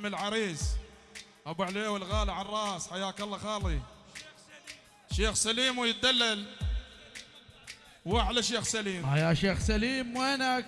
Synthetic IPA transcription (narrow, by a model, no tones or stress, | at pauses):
mɪlʕɑɾiːs | ʔabɪʕleːwɪlɣaːlʕanrˤɑːsħajaːkɑlˤːɑxɑːli | ʃeːxsaliːmwɪjɪt̪̚d̪alːal | waħlaʃeːxsaliːmajaʃeːxsaliːmwana